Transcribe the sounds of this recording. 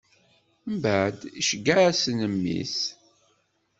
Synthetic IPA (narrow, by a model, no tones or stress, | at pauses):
mbæd̪iʃɡːaæsənəmːḭs